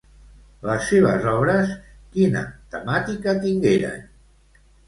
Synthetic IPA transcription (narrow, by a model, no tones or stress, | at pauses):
ləsːeβ̞əzɔβ̞ɾəs | kinə̰t̪əmat̪ikət̪iŋɡeɾə̰n